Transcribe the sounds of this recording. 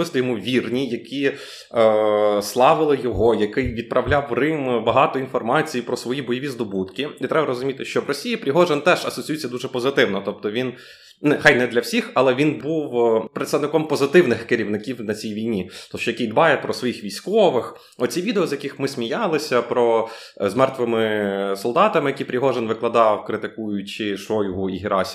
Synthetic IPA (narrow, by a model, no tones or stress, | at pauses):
ɪst̪ˠɔjɔmuʋʲirnʲijɐkʲʰi | slˠɑʋɪlˠɪjɔɦɔjɐkɪjʋʲid̪̚pɾʔɐʋlʲawrɪmbɐɦɑt̪ɔinfɔrmɑt͡sʲijipɾɔsʋɔjibɔjɔʋʲizd̪ɔbut̪kʲɪit̪ɾɛbɐɾɔzʊmʲit̪ɪʃt͡ʃɔʋrɔsʲijipɾʲiɦɔʒɛnt̪ɛʒɐsɔt͡sʲjɛt͡sʲːɐd̪uʒɛpɔzɪt̪ɪwnɔt̪ɔp̚t̪ɔʋʲin | nɛxɑjnɛd̪lʲɐwsʲixɐlˠɛʋʲinbuwpɾet̪st̪ɐʋnɪkɔmpɔzɪt̪ɪwnɪxkɪɾʲiwnɪkʲiwnɐt͡sʲijʋʲijnʲit̪ɔʃt͡ʃɔjɐkʲijd̪bɑjɛpɾɔsʋɔjixʋʲijsʲkɔʋɪx | ɔt͡sʲiʋʲid̪eɔzjɐkɪxmɪsʲmʲijɑlˠɪsʲɐpɾɔ | zmɛrt̪ʋɪmɪsɔlˠd̪ɑt̪ɐmɪjɐkʲipɾʲiɦɔʒenʋɪklˠɐd̪ɑwkɾɪt̪ɪkujʊt͡ʃɪʃɔjɦʊiɦʲiɾʔɑsʲ